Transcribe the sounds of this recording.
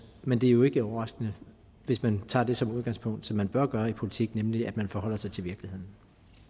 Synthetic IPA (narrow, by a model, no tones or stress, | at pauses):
mend̥e̝æɐjo̝e̝ɡ̥əɒʊɐʁɑ̈sɡ̥ənə | ʋe̝smænt͡sʰɑ̰̈ːd̥e̝sɒ̽muð̞ˠɡɑ̈ŋspʰɔ̽ŋ̰d̥sɒ̽mːænb̥ɶɐɡ̥ɶːɐipʰo̝lit͡sʰiɡ̥nemliæd̥mænfɒɦɒ̽l̰ɐsɑ̈ɪt͡sʰe̝ʋiɐɡ̥lihe̝ð̰ˠn̩